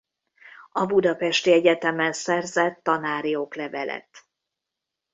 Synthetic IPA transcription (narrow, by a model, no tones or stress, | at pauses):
ɒbud̪ɒpɛʃt̪iɛɟɛt̪ɛmɛnsɛrzɛt̪ːɒnaːɾijoklɛvɛlɛ̰t̪